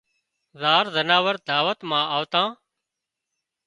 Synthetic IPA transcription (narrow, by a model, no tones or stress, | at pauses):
zaːɾzənaːʋəɾd̪ʱaːʋət̪mãːaːʋt̪ãː